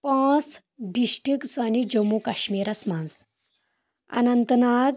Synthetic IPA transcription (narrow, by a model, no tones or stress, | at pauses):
pãt͡s | ɖiɕʈiksanid͡ʑəmːukaɕmiːɾɐsmãns | ɐ̰nɐnt̪naɡ